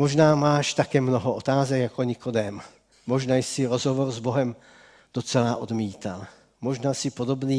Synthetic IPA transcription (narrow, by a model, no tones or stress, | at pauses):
moʒnaːmaːʃt̪akɛːmnoɦoʔot̪aːzɛkjakoɲɪkod̪ɛm | moʒnaːjsɪɾozɦovoɾzboɦɛm | d̪̥ot͡sɛlaːʔod̪miːt̪a̰l | mo̞ʒnaːsɪpo̞d̪o̞bniː